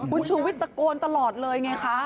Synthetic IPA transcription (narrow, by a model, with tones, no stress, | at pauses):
kʰu˧nt͡ɕʰuː˧wi˦˥t̪ːa˧koː˧nt̪a˧lɔː˨˩t̪̚lɤː˧jŋa˧jkʰa˦˥